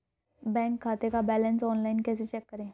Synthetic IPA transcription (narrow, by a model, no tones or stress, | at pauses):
bɛ̃ːŋkʰːaːt̪ekabɛːlənsɔːnlaɪnkɛːset͡ʃɛkːəɾẽː